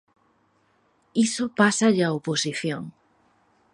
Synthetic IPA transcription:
isopasaʎaoposiθjõŋ

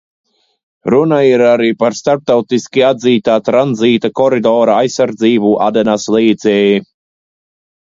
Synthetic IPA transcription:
ɾunaiɾaɾiːpaɾst̪aɾp̚t̪awt̪iskʲiad̪ziːt̪aːt̪ɾanziːt̪akɔɾid̪ɔːɾaajsːaɾd̪ziːbuʔa̰d̪ɛnaslˠiːd̪zʲɛːji

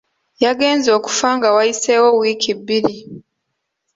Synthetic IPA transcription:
jaɡe̞ːnzo̞ːku̥faŋɡawajise̞wo̞wiːkibːiɾi

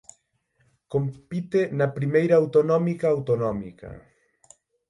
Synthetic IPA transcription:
kompit̪enɐpɾimejɾɐawt̪onɔmikaːwt̪onɔmḭkɐ̰

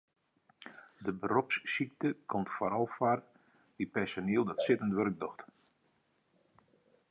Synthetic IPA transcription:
dəbərɔpssik̚təkʰɔmtfaɾɔlˠfar | ʋipɛsaniəlˠdɔtsɪtəntʋørɡ̚dɔxt

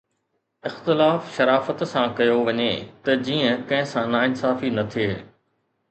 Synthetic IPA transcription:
ɪxt̪ɪlaːfʃɐɾaːfət̪sãkɐjoʋɐɲḛt̪ɐd͡ʑiːə̃kɐ̃ɦɪ̃sãnaːɪnsaːfinɐt̪ʰieː

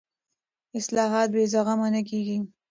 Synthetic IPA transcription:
ɪslɑɦɑt̪̚bezaɣamanak̬eɡi

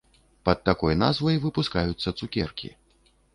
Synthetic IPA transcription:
pɐt̪̚ːakɔjna̰zvɐjvɨpuskajut̪sːɐt̪sukʲɛrkʲḭ

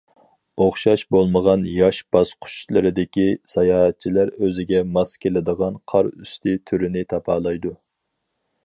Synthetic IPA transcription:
oχʃɑʃbolˠməʁɑnjɑʃb̥ɑsqʰʊ̥ʃlˠɨɾɪd̪ɪkʲisɑjɑːɦɛt̪̚t͡ʃʰilæɾøzɪɡʲɛmɑskʲelɪd̪əʁɑnqʰɑɾy̰st̪ʰɪt̪ʰyɾɪnɪt̪ʰɑpʰɑːlˠɑjd̪u

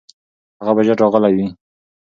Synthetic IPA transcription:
haɣabad͡ʒaʈɑɣəlajwi

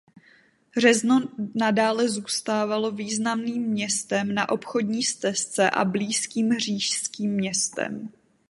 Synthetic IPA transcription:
ɦr̝ɛznonadaːlɛzuːst̪aːvalo̞viːznamniːmːɲɛst̪ɛmnaʔo̞pxo̞dɲiːst͡sɛst͡sɛʔa̰bliːskiːmɦr̝iːʃskiːmːɲɛst̪ɛ̰m

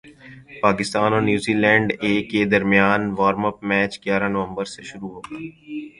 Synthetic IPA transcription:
paːkɪst̪aːnoːnjuːziːlɛ̃ːɳɖeːkːed̪ɐɾmɪjaːnʋaːɾməpmɛːt͡ʃɡjaːɾãnəʋə̃mbəɾseʃʊɾuɦoːɡaː

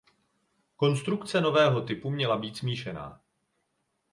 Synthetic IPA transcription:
ko̞nst̪ɾukt͡sɛno̞vɛːɦo̞t̪ɪpumɲɛlabiːt̪smiːʃɛna̰ː

